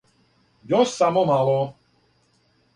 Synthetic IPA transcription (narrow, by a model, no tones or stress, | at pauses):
jɔsamɔmalɔ